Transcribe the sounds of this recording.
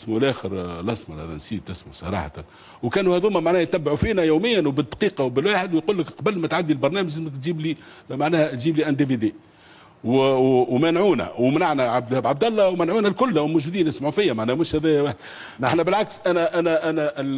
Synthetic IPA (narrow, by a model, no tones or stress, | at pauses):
smulʔæːxəɾlʔɑsˤmɑ̰hæ̰ðænsiːd̪̚t̪ɪsmusˤɑ̰ɾˤɑ̰ːħa̰t̪an | wkæːnuhæd̪uːmæmaʕnæːht̪ːæbːʕufiːnæjuːmɪjːænwbɪd̪qiːqɑwbɪlwaːħɪd̪wjquːlːəkqɑbəlːmæt̪ʕad̪ːilbɑɾˤnæːməʒmɪkt̪ʒiːbli | maʕnæːhæt̪ʒiːbliʔænd̪ivid̪iː | wwmænʕuːnæ̰wmnaʕnæʕab̚d̪hbʕab̚d̪ælˤːɑwmænʕuːnælkʊlːwlmʊʒud̪iːnɪsmaʕufɪjːæmaʕnæːhmʊʃhæðæːjæwaːħd̪ | ʔɪ̰ħnæbɪlʕaksʔænæʔænæʔænæʔ